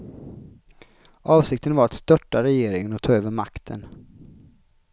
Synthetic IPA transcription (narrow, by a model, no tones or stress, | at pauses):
ʔɑːvsɪk̚t̪ənvaɾat̪st̪œʈːaɾɛjeːɾɪŋənɔt̪ʰɑːøːvəɾmakt̪ʰə̰n